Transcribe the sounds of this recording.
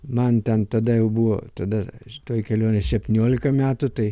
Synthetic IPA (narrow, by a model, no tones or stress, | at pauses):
mɐnt̪ʲɛnt̪ɐd̪ɐjɛʊbuʋo̰ːt̪ɐd̪ɐʃʲɪ̥t̪oːjkʲɛlʲoːnʲɛsʲɛpʲt̪ʲɪnʲoːlʲɪkɐmʲæːt̪ʊt̪ɐɪ